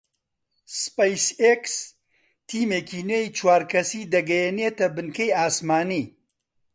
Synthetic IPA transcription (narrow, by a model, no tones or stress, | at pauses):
spejseks | t̪ʰiːmeːkiːnwejt͡ʃwaːɾkɐsiːd̪ɐɡɐjeneːt̪ɐbɨnkɐjaːsmaːniː